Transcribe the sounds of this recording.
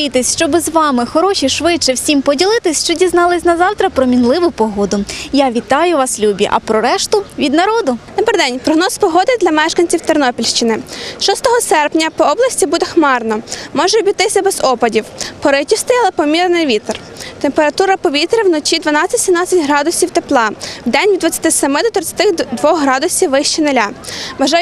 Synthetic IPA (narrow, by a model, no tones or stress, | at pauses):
it̪ɪsʲʃt͡ʃɔbɪzʋɑmɪxɔɾɔʃʲiʃʋɪt͡ʃɪwsʲimpɔdʲilˠɪt̪ɪsʲʃt͡ʃɔdʲiznɑlˠɪsʲnɐzɑwt̪ɾɐpɾɔmʲinlˠɪʋʊpɔɦɔd̪ʊjaʋʲit̪ɑjʊʋɑslʲubʲḭʔɐ̰pɾɔɾɛʃt̪ʊʋʲid̪nɐɾɔd̪ʊd̪ɔbeɾd̪ɛnʲpɾɔɦnɔspɔɦɔd̪ɪd̪lʲɐmɛʃkɐnʲt͡sʲiwt̪ernɔpʲilʲʃt͡ʃɪnɪʃɔst̪ɔɦɔsɛrpnʲɐpɔɔblˠɐsʲtʲibud̪ɛxmɑrnɔmɔʒɛɔbʲit̪ɪsʲɐbɛzɔpɐdʲiwpɔɾɪtʲist̪ɪjɐlˠɛpɔmʲiɾnɪjʋʲit̪r | t̪empeɾɐt̪uɾɐpɔʋʲit̪ɾɪwnɔt͡ʃid̪ʋɐnɑt͡sʲːɐtʲsʲimn̪ɑt͡sʲːɐtʲɦɾɑd̪ʊsʲiwt̪eplˠɑwd̪ɛnʲʋʲid̪ʋɐt͡sʲːɐ̥t̪ɪsɛmɪd̪ɔt̪ɾɪt͡sʲɐ̥t̪ɪxd̪ʋɔxɦɾɑd̪ʊsʲiwːɪʃt͡ʃinelʲaʋɐʒɑ